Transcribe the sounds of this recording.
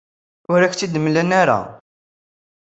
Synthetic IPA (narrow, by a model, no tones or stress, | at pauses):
ʊɾaçt͡sːid̪əmlænaɾa̰